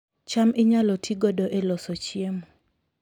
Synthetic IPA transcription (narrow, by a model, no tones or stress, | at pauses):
t͡ʃamɪɲalɔtʰiɡɔdoʔelɔsɔt͡ʃiem